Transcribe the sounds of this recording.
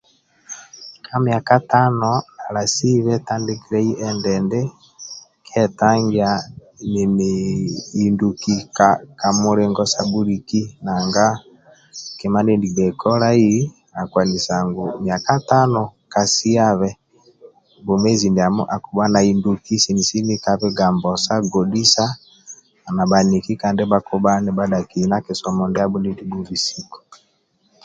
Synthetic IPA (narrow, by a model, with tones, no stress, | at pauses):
kʰa˦mja˨ka˦ta˦nɔ˨a˨la˨si˦βɛ˦ta˦nde˦ki˦ɾɛ˦i˦ʔɛ˦ndɛndɛ˦ | kʰɛ˦ta˦ŋɡia˨ | ni˨nei˨ndu˨ki˨kaka˨mu˦ɾɛ˦ŋɡɔ˦sa˦bu˦ɾi˨ki˦na˨ŋɡa˦ | kɛ˨ma˦ne˦ndi˨bɛ˨kʰɔ˦ɾa˦i˦ | a˨kwa˨ni˨sa˨ŋɡo˨mja˨ka˦ta˦nɔ˨ka˨si˦a˦βɛ˦ | bo˨mɛ˦zi˨ndi˨a˨m˦ʔa˨ku˨ba˦na˨i˨ndu˨ki˦si˨ni˨si˦ni˦ka˦βɛ˦ɡa˨mbɔ˨sa˦ɡɔ˨di˦sa˦˨ | na˨ba˨ni˨ki˦ka˨nde˦ba˦ku˦ba˦nɛ˨ba˦da˨ki˨na˦ke˨sɔ˨mɔ˨ndɛ˦a˦bu˦ndi˦ndi˨˦bu˦vi˨si˨kɔ̥˨